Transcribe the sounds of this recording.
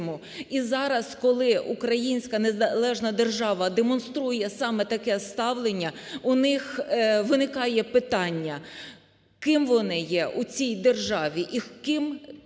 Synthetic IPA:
mʊ | izɑɾɐskɔlˠɪʔukɾɐjinʲsʲkɐne̞zɐlˠɛʒnɐd̪erʒɑʋɐd̪emɔnst̪ɾujɛsɑmɛt̪ɐkɛst̪ɑʋlˠenʲːɐʊnɪxʋɪnɪkɑjɛpɪt̪ɑnʲːɐ | kɪmʋɔnɪjɛʔut͡sʲijd̪erʒɑʋʲiʔikɪm

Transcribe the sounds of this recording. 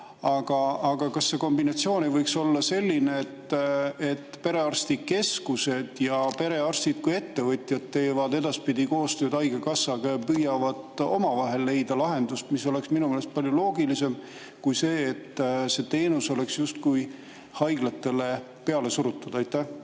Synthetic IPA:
ɑɡ̥ɑːɡ̥ɑkɑsːe̞ko̞mbinɑt̪sio̞ːnevɤjkso̞lːɑse̞lʲːineːt̪ːet̪ːpe̞ɾe̞ɑrst̪ike̞skuse̞d̪̥jɑpe̞ɾe̞ɑrst̪id̪̥̚kuje̞t̪ːe̞vɤt̪ʲˑjɑd̪̥t̪ːe̞ːvɑd̪e̞d̪ɑspid̪̥iko̞ːst̪øːd̪ɑjɡekɑsːɑɡepyjɑvɑd̪̥o̞̰mɑvɑɦe̞lːe̞jd̪̥ɑlɑɦe̞nd̪ust̪miso̞le̞ksminumelest̪̚pɑlʲjulo̞ːɡilise̞m | kujse̞ːt̪ːse̞t̪e̞ːnuso̞le̞ksjust̪̚kuj | hɑjɡ̥lɑt̪ːe̞le̞ | pe̞ɑle̞suɾut̪ːˑud̪̥ɑjt̪ːˑæh

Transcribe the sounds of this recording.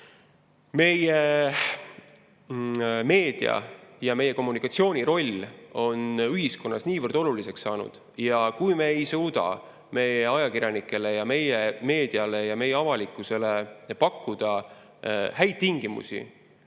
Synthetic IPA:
me̞je | me̞ːd̪̥iɑ̰jɑme̞jːe̞ko̞mːunikːˑɑt̪sio̞ːnʲiɾo̞lʲːo̞nyɦisko̞nːɑ̰sniːvərd̪o̞lulise̞ksːɑːnṵd̪̥ | jɑkujme̞ejsuːd̪ɑ̰ | me̞jeɑjɑkirʲjɑnikːˑe̞le̞jɑme̞jeme̞ːd̪̥iɑle̞jɑme̞jːeɑvɑlikːˑuse̞le̞pɑkːud̪̥ɑ | hæjt̪̚t̪ːiŋɡ̥imṵsḭ

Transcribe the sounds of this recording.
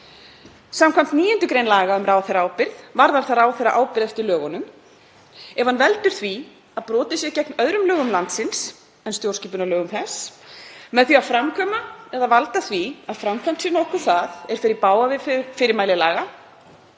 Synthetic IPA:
samkʰvam̥t̪niːjʏnt̪ʏkɾejnlaːɣaʏmɾaːwθejɾaaːwpɪɾðvaɾðaɾ̥θaɾaːwθejra̰ʔaːwpɪɾɛft̪ɪɾlœːɣɔnʏm | ɛvhanvɛlt̪ʏɾ̥θvi | aðpɾɔːt̪ɪsjɛcɛknœðɾʏmlœːɣʏmlant̪sɪns | ɛnst̪jowɾ̥sciːpʏnalœːɣʏmθɛs | mɛðθiafɾamkʰɔːmaɛðavalt̪aθviaðfɾamkʰvam̥t̪sɪnɔwhkʏɾ̥θaðɛɾ̥fɪɾɪɾpaːwavɪffɪɾɪɾmaːjlɪlaːɣa

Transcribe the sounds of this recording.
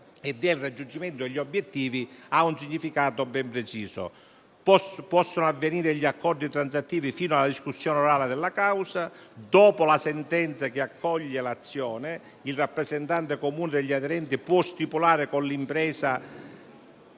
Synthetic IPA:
ɛd̪ːelrad͡ʒːund͡ʒimɛnt̪ʊeʎːiobːjɛt̪ːiːviaunsiɲːifikaːt̪obɛmpɾet͡ʃiːso̰ | pɔpɔsːonoavːeniːɾɪʎːiakːɔrd̪it̪ɾant̪s̬at̪ːiːvifiːnoalːad̪iskusːjɔːnoɾaːled̪ɪlːakawsa | d̪ɔːpolasɛnt̪ɛnt̪sak̟ɪakʰːɔʎːelat̪sːjɔːnɪ | ilrapːɾezɛnt̪ant̪ekomuːnɪd̪eʎːiaðeɾɛnt̪ipwɔst̪ipulaːɾɪkonlimpɾɛːsa

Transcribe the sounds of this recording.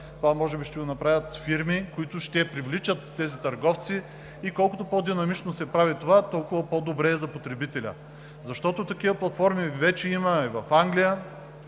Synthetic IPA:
t̪ovamɔʒɛbiʃt̪ɛɡonɐpɾavʲət̪fiɾmikoit̪ʊʃt̪ɛpɾivlit͡ʃət̪ːɛzit̪ɐɾɡɔft̪siː | kɔlˠkʊt̪opod̪inɐmit͡ʃnosɛpɾavit̪ovat̪ɔlˠkʊvɐpod̪obɾɛzɐpot̪ɾɛbit̪ɛlʲə̰ | zɐʃt̪ɔt̪ot̪ɐkivəplˠɐt̪fɔɾmivɛt͡ʃɛimɐivɐfaŋɡlijə

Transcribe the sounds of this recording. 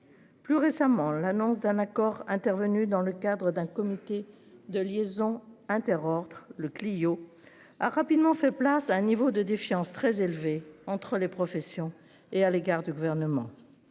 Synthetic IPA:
plyʁesamɑ̃lanɔ̃s̬d̪ɛ̃nakɔʁɛ̃t̪ɛʁvənyd̪ɑ̃ləkad̪ʁəd̪ɛ̃kɔmit̪e | d̪əljezɔ̃ɛ̃t̪ɛʁɔʁd̪ʁləklijo | aʁapid̪mɑ̃fɛplasaɛ̃nivod̪əd̪efjɑ̃st̪χɛzelveɑ̃t̪χəlepχɔfɛsjɔ̃ | ealeɡaʁd̪yɡuvɛʁnəmɑ̰̃

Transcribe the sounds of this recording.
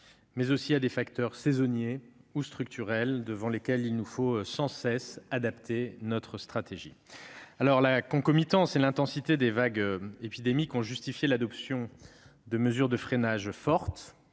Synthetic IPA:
mɛzosiad̪efakt̪œʁsezɔnjeust̪χyk̚t̪ʰyʁɛld̪əvɑ̃lekʲɛlilnufosɑ̃sɛsad̪apt̪ʰenɔt̪χəst̪χat̪eʒḭ | alɔʁlakɔ̃kɔmit̪ɑ̃selɛ̃t̪ɑ̃sit̪ed̪evaɡøepid̪emikɔ̃ʒyst̪ifjelad̪ɔpsjɔ̃d̪əməzyʁd̪əfχenaʒfɔʁt̪

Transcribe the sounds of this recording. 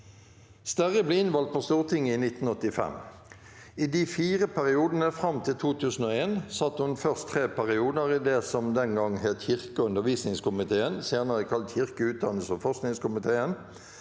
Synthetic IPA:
st̪æʁəbleɪnʋɑlt̪̚pʰost̪uːʁt̪ʰɪŋːəiːnɪt̪n̩ɔt̪ːɪfɛ̰m | iːd̪iːfiːʁəpʰæʁɪuːd̪ən̩əfʁɑmt̪ʰɪlt̪ʰuːt̪ʰʉːsn̩oːeːnsɑt̪ːhʉnfœʁst̪ʰʁeːpʰæʁɪuːd̪əʁid̪eːsɔmd̪ɛŋɡɑŋːheːt̪çɪʁkəʉnd̪əʁʋiːsnɪŋskʊmɪt̪ʰeːənsjeːʁnəʁəkʰɑlt̪çɪʁkəʉːt̪̚d̪ɑnəsəfɔʁsknɪŋskʊmɪt̪ʰeːən

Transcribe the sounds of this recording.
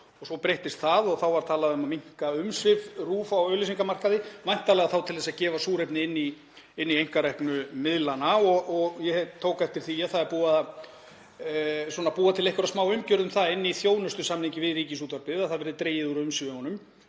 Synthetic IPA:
ɔsɔpɾejht̪ɪst̪θaðɔɣθawvaɾt̪ʰaːlaðʏmamiŋ̥kaʏmsvɪvruːfawœːlɪs̬iŋkamar̥kaðɪmajn̥t̪alɛɣaθawt̪ʰɪlɛsaðcɛːvasuːɾejpnɪɪnːi | ɪnːiejŋ̥kaɾɛhknʏmɪðlanaɔɣɔɣjɛhɛt̪ʰoːwkaɛft̪ɪɾ̥θiaθaðɛɾpuːaða | swɔːnapuːat̪ʰɪlehkʏɾasmaːwʏmcœɾðʏmθaɪnːɪiθjoːwnʏst̪ʏsaːmniŋcɪvɪðriːcɪsuːt̪vaɾpɪaðθaðvɛɾðʏt̪ɾeːjɪðuɾʏmsɪvɪɔnʏm

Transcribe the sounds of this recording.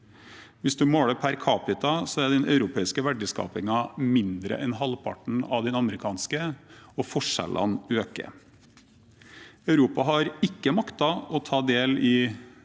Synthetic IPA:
ʋɪsd̪ʉmoːɽəpʰæɾkʰɑːpɪt̪ɑsɔæd̪ɛnʔœ̰ʉɾʊpʰeːɪskəʋæɖəskɑ̰ːpɪŋɑmɪnd̪ɾə̰ʔɛnɦɑlpʰɑ̰ʈɳ̩ɑ̰ʋd̪ɛnɑməɾɪkʰɑːnskəɔfɔʂɛ̰lɑ̰nøːkə̰ | ɑʉɾuːpɑɦɑɾɪkːəmɑkt̪ɑɔt̪ʰɑːd̪eːlɪ

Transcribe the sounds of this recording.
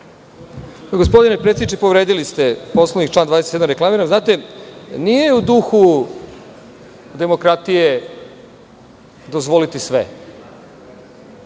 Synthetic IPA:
ɡo̞s̬po̞d̪inepɾe̞t̪sed̪it͡ʃepo̞ʋɾeːd̪ilist̪e̞po̞slˠevnikt͡ʃlaːnd̪ad̪eset̪eamɾeklamiɾamznaːt̪e̞nije̞ud̪uxu | d̪e̞mo̞kɾat̪ije | d̪ozʋo̞lit̪isʋḛ

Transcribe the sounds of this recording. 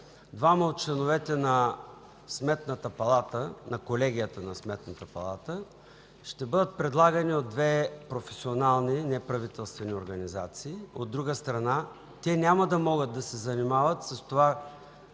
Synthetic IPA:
d̪vaməot̪̚t͡ʃlɛnovɛt̪ɛnɐ | smɛt̪nət̪əpɐlˠat̪ənɐkolɛɡʲijət̪ənɐsmɛt̪nət̪əpɐ̰lˠa̰t̪ə | ʃt̪ɛbɤd̪ət̪̚pɾɛd̪lˠaɡɐniod̪ːvɛpɾofɛsionalˠninɛpɾɐvit̪ɛlˠst̪vɛnioɾɡɐniza̰t̪siːod̪ːɾuɡəst̪ɾɐna | t̪ɛnʲamɐd̪ɐmɔɡəd̪̚d̪ɐsɛzɐnimavət̪sɐst̪ova

